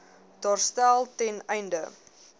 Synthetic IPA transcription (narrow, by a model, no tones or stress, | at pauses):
d̥ɔrstælˠtɛnɛjndə